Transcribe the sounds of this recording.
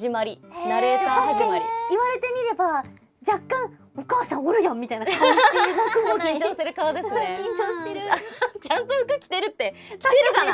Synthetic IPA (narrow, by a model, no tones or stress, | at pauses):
imaɾʲinaɾeːsãasikaɲiɾiiβaɾe̞t̪e̞mʲiɾe̞ba | d͡ʑakːãŋ̃ | o̞kaːsãɰ̃oɾɯ̟jõmʲːit̪ainaookʲĩɲt͡ɕo̞ːseɾɯ̟kaβad̪e̞ssɨne̞kĩɲt͡ɕoːɕit̪eɾɯat͡ɕãnt̪o̞ɸɯ̟kɯ̟kʲi̥t̪e̞ɾɯ̟t̪ːe̞kʲiteɾɯka